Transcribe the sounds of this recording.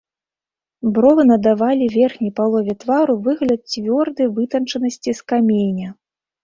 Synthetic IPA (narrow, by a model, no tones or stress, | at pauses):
bɾɔvɨnɐd̪avalʲivʲɛrxnʲɐjpalˠɔvʲɛt̪vaɾuvɨɣlʲɐt̪̚t͡sʲvʲɔrd̪ɨjvɨt̪ɐnt͡ʂɐnɐsʲt͡sʲiskamʲenʲɐ